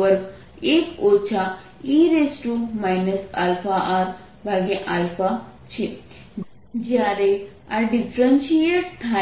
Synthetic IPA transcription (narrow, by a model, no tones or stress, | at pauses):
əɾ | ekot͡ʃʰa | iɾesʈɾumajnɐsa̰lfaʔaːɾ | bʱaɡeʔalfat͡ʃʰi | d͡ʒjaːɾe | aɖifʰɾənʃijeʈ̚t̪ʰa